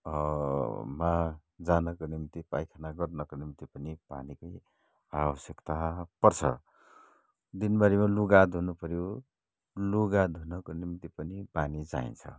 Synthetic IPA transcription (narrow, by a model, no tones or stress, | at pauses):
mad͡zanʌkonimit̪ipajkʰanaɡʌrnʌkonimit̪ipʌnipa̰nikʌj | abʌsjekt̪apʌrt͡sʰʌ̰ | d̪inbʌɾimaluɡad̪ʱunupʌɾjo | luɡad̪ʱunʌkonimt̪ipʌnipanid͡za̰ḭnt͡sʰʌ̰